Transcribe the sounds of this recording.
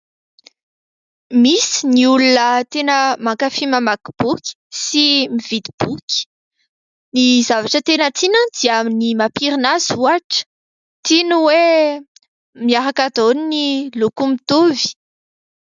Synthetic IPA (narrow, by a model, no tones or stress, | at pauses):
misi̥niulunət̪enəmakafiməmakb̥ukʲi̥simiv̥id̪ib̥ukʲi̥ | nizavaʈ͡ʂət̪enət͡s̪inə̃d̪̥iəaminimapiɾinaz̥uaʈ͡ʂə̥ | t̪inuwe | miaɾakad̪oninilukumit̪ovi̥